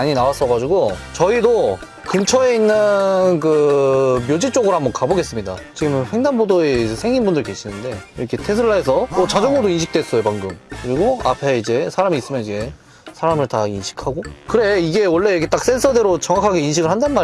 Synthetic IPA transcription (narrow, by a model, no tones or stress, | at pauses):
aɲinawas͈ʌɡad͡ʑuɡot͡ɕʌido | kɯmt͡ɕʰʌe̞inːɯnkɯmjod͡ʑit͡ɕ͈oɡɯɾohambʌnkaboɡe̞s͈ɯmɲida̰t͡ɕiɡɯmɸwe̞ŋdanbodoe̞id͡ʑe̞sʰeŋinbundɯɭke̞ɕʰinɯnde̞iɾʌkʰe̞tʰe̞sʰɯɭːaes̬ʰʌmot͡ɕad͡ʑʌŋɡɯdoinɕʰi̥kt͈wes͈ʌjopaŋɡɯmkɯɾiɡoa̰pʰe̞id͡ʑe̞sʰaɾamiːs͈ɯmjʌniɡe̞ | sʰaɾamɯɭtainɕʰi̥kʰaɡokɯɾe̞iɡe̞wʌɭːe̞ket͈ak̚s͈ensʰʌdeɾot͡ɕʌŋakʰaɡe̞inɕʰiɡɯɭhandanma